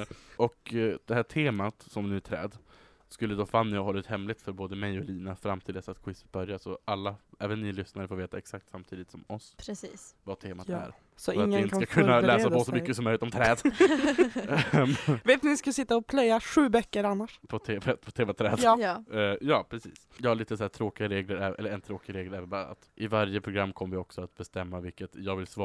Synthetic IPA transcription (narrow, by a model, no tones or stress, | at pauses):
ʔɔkd̪̥ɛhæːʈʰeːmat̪sɔmnʉ̟ːæt̪ʰɾɛ̰ːd̪ | skɵlːəd̪ɔfanːəjaɦɔlːʉt̪hɛmlɪt̪fœɾboːd̪əmɛjɔliːnafɾamt̪ʰɪld̪ɛsat̪̚kʰwɪsːə̥t̪̚bœɾjasɔʔalːaɛːvənːɪlʏsnaɾəfoːɾveːt̪aɛksak̚t̪samt̪ʰiːd̪ɪt̪sɔmɔspʰɾɛsiːsvat̪ʰeːmat̪æ̰ːɾ | sɔatŋːəɪɪnt̪kakʰɵːalɛːsaɔsɔmʏkːəsɔmœjlɪt̪ɔmt̪ʰɾɛːd̪ | mveːt̪nɪskasɪt̪ːaɔpʰlœjːaɧʉ̟ːbœkːəɾanːaʂpʰɔt̪ʰeːvɛt̪pʰɔt̪ʰeːmat̪ʰːɾɛ̰ːd̪ːjɑːpʰɾɛsiːsjɑːɡhaɭiːt̪əsæːʈ̪ʰɾoːkɪɡɾeːɡləɾɛɛ̰lːəɾɛnt̪ʰɾoːkɪɡɾeːɡ̪ləɾɛːvənbɑːɾaa̰t̪ʔɪvaɾjəpʰɾʊɡɾamːkʰɔmːəvɪɔksɔat̪̚bɛst̪ɛmːavɪlkːət̪jɑːɡvɪlsvɑ